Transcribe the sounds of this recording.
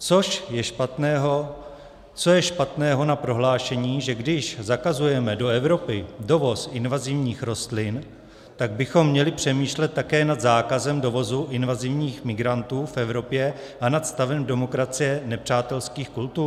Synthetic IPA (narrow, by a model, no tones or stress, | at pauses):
t͡soʃjɛʃpat̪nɛːɦo | t͡so̞jɛʃpat̪nɛːɦo̞napɾo̞ɦlaːʃɛɲiːʒɛɡdɪʃzakazujɛmɛdo̞ɛvɾo̞pɪdo̞vo̞sʔɪnvazɪvɲiːxɾo̞st̪lɪn | t̪aɡ̚bɪxo̞mːɲɛlɪpr̝̥ɛmiːʃlɛt̪ːakɛːnad̪zaːkazɛmdo̞vo̞zuʔɪnvazɪvɲiːxmɪɡɾant̪uːfɛvɾo̞pjɛ | ʔanat̪st̪avɛmdɛmo̞kɾat͡sɪjɛnɛpr̝̥aːt̪ɛlskiːxkult̪uː